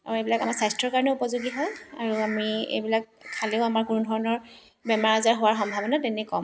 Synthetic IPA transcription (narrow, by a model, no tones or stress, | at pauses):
aɹuejbilakamasajstɹɔɹkaɹɔnɛupɔzʊɡiɦɔjaɹuamiḛjbilak̚ | kʰaleʊamaɹkunudʱɔɹɔnɔɹ | bɛmaɹazaɹɦowaɹxɔmbʱabɔnatɛnɛkɔm